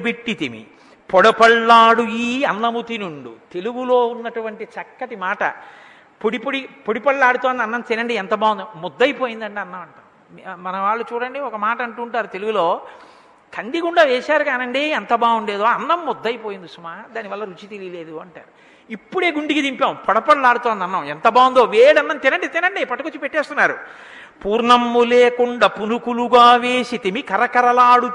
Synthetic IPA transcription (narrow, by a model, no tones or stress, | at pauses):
peʈːit̪imḭ | pɔɽɐpɐɭːaːɽujiɐnːɐmut̪inuɳɖṵt̪e̞luɡuloːunːɐʈuʋɐɳʈit͡ʃɐkːɐʈimaːʈɐ̰ | poɽipoɽipoɽipɐɭːaːɽut̪oːɐnd̪ɐnːɐnseːnɐɳɖiɛnt̪ɐbaːwund̪mɔd̪ːɐjpoːjind̪ɐɳɖeɐnːɐmɐɳʈa̰ː | mɐnɐʋaːɭːut͡ʃuːɽɐɳɖeːɔkɐmaːʈɐɐɳʈuːɳʈaːɾut̪e̞luɡuloː | kʰɐnd̪iɡuɳɖaːʋeːsaːɾukaːnɐɳɖiɛnt̪ɐbaːʋuɳɖeːd̪oːɐnːɐmːɔd̪ːɐjpo̞ːjind̪usumaːd̪aːniʋɐlːɐɾut͡ʃit̪elijle̞ːd̪uɐɳʈa̰ːɾu | ipːuɽe̞ːɡuɳɖikid̪impaːupɔɽɐpɐɽɐlaːɽut̪oːnd̪ɐnːɐment̪ɐbaːwund̪oːʋeːɽɐnːɐnt̪inɐɳɖit̪inɐɳɖipɐʈːɐkut͡ʃːupeʈːeːst̪unːaːɾṵ | puːɾɳɐmːuleːkuɳɖɐpunukuluɡaːʋeːsit̪imikɐɾɐkɐɾɐlaːɽu